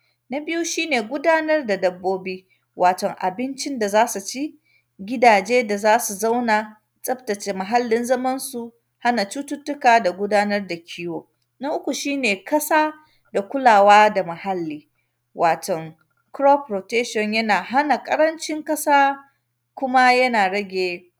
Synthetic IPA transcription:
na˦bɪ˦ju˦ʃiː˦neː˨ɡʷʊ˦daː˦nɐ˦rda˨dɐ˨bːoː˦biː˦ | wʔaː˨tɔ˨ŋʔa̰˨bɪ˦nt͡ʃɪ˦nda˨zaː˦su˨t͡ʃi˦ | ɡʲɪ˦daː˨d͡ʒeː˦da˨zaː˦su˨za˦wna˨ | t͡sʼɐ˦btɐ˨t͡ʃeː˨mɐ˨ɦa˦lːɪ˨nzɐ˦mɐ˦nsu˨ | ha˦na˨t͡ʃu˦tʊ˦tːʊ˦kaː˨da˨ɡʷʊ˦daː˦nɐ˦rda˨kʲʰiː˦woː˦ | nɐa˦ʔʊ˦kʷu˨ʃiː˦neː˨kɐ˦saː˦ | da˨kʷʊ˦laː˨waː˦da˨mɐ˨ha˦lːiː˦ | wʔaː˨tɔ˨ŋ | kɾɔ˦pɾo˨tɛ˦ʃɔ˨ɲjɐ˦naː˨ɦa˦na˨kʼɐ˦ɽɐ˦nt͡ʃɪ˦ŋkʼɐ˦saː˦ | kʷʊ˦ma˦jɐ˦naː˨ɽɐ˦ɡʲeː˨

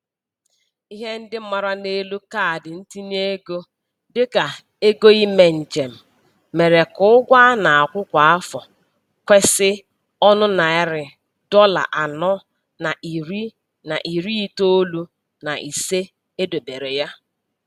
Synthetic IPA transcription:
i˦ɦe˦n̩˦dɪ˦m̩˦ma˨ɾa˦ne˦lu˦ka˦˨dɪ˨n̩˦ti˦n˦e˦ɡo˦ | dɪ˦ka˨ | e˦ɡo˦i˦me˨n̩˨d͡ʒe˨m̩˨ | me˨ɾe˨kʊ˦ʊ˦ɡʷa˦na˨a˨kʷʊ˦kʷa˨a˦fɔ˨ | kʷe˦sɪ˦ | ɔ˦nʊ˦na˨ɪ˦ɾɪ˨ | dɔ˦la̰˨ʔa˨nɔ˦ | na˨ʔi˨ɾi˦ | na˨ʔi˨ɾi˦i˦to˦lu˦ | na˨ʔi˨se˦ | e˦do˨be˨ɾe˨ja˦

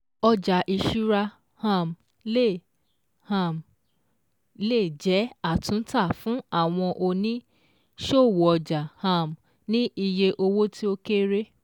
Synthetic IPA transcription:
ɔ˧d͡ʒa˨ʔi˧ʃu˦ɾa˧ | hã˧˨m | le˦˨ | hã˧˨m | le˦˨d͡ʒɛ˨˦a˦˨tũ˨˦n̩˦ta˦˨fũ˨˦a˦˨w̃ɔ̃˧ʔo˧nĩ˦ | ʃo˦˨wo˨ɔ˧d͡ʒa˨hã˧˨m | nĩ˦i˧je˧ʔo˧wo˦tʰi˦o˧ke˦ɾe˦

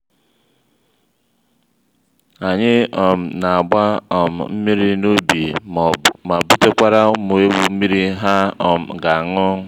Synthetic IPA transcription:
a˨ɲɪ˦ɔ˨m̩˨na˨a˨ɡ͡ba˦ɔ˨m̩˨m̩˦mi˦ɾi˦no˦bi˨ma˨bʊ˦te˦kʷa˦ɾa˦mo˨e˦bu˨m̩˦mi˦ɾi˦ɦa˦ɔ˨m̩˨ɡa˨a˨ŋʊ˦

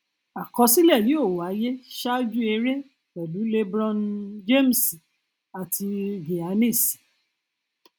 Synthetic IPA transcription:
a˨kɔ˧˦si˦lɛ˦˨li˨˦o˦˨wa˨˦je˦ʃa˦d͡ʒu˦e˧ɾe˦ | kɛ˨lu˨˦le˦bɾɔ̃˦nd͡ʒe˦˨m̩˨si˨ | a˨tʰi˧ɡe˨a˨˧˦ne˦˨si̥˨

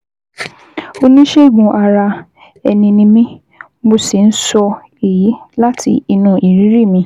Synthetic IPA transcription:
o˧nĩ˦ʃe˦˨ɡũ˧ʔa˧ɾa˧ | ɛ̰˧nĩ˧nĩ˧mĩ˦ | mo˧si˨n̩˦sɔ˧ | e˨ji˨˦la˦tʰḭ˧i˧nũ˨ʔi˨ɾĩ˨˦ɾi˦˨mĩ˧

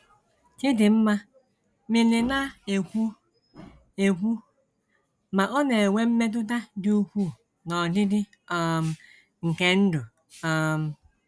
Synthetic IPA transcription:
kɪ˦dɪ˨m̩˦ma˦ | mɪ˨nɪ˨na˦e˨kʷu˦ | e˨kʷu˦ | ma˨ʔɔ˦ne˨wʷe˦m̩˦me˦t̬ʊ˦t̬a˦dɪ˦u˦kʷu˦˨ | nɔ˨dɪ˦dɪ˦ | ɔ˦m˦ | ŋ̩˨ke˦n̩˦dʊ˨ | ɔ˦m̩˦

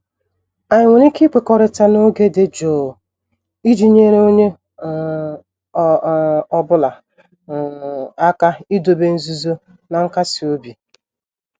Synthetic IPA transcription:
a˨ɲɪ˨ŋʷe˨ni˦ki˦k͡pe˨kɔ˨ɾe˨ta˦no˦ɡe˦de˦d͡ʒoː˨ | i˦d͡ʒi˨ɲe˦ɾe˦o˦ɲe˦˨˦ | ɔ˦bʊ˦la˨ | a˦ka˦i˦do˨be˦n̩˦zu˦zo˦ | na˨ŋ̩˦ka˦si˨o˦bi˨

